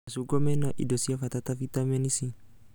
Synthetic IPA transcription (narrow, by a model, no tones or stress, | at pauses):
suɡɔmɛnɔʔḭdɔsiafat̪at̪afit̪amɛnisi